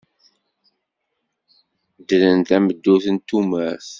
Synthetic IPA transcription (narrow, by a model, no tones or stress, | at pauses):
d̪ələnt̪æməd̪ːuθənt̪ːumæθ